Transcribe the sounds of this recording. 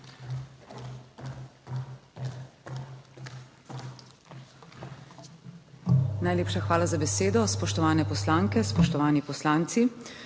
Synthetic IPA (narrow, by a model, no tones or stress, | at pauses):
najleːpʃaxʋaːlazabɛseːd̪ɔspɔʃt̪ɔʋaːnɛpɔslaːŋkɛspɔʃt̪ɔʋaːnipɔslaːnt̪si